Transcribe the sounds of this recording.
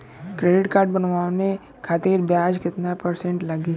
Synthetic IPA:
kɾeːɖɪʈkaːɾʈ̚bɐnʋaːõnẽ | kʰaːt̪iːɾbjaːd͡ʒkɪt̪napɐɾsẽɳʈlɐɡiː

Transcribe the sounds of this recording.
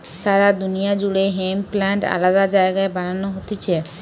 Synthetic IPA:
ʃaɾad̪unijad͡ʑuɽeɦemplaɳʈa̰lad̪ad͡ʑaeɡaebananoɦot̪et͡ɕʰe

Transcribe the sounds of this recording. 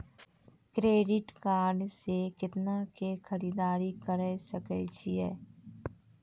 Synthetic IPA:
kɾeːɖɪʈkaːɾɖsekɪt̪nakexɐɾiːd̪aːɾikəɾɛsəkɛt͡ʃʰiɦɛː

